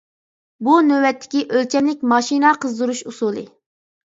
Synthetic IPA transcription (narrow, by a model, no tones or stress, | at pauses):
bunøwɛt̪ʰːɪ̥kʲiʔølt͡ʃʰɛmlɪkʲmɑʃinɑqʰəzd̪uɾuʃusuːlˠɨ